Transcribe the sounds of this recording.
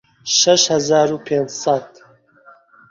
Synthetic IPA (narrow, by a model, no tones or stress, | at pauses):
ʃɐʃhɐzaːɾuːpʰeːnd͡ʑsɑt̪